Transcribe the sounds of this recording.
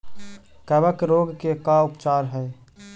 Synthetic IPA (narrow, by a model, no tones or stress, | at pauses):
kɛːbəkɾoːɡkekaʊpt͡ʃaːɾɦɛː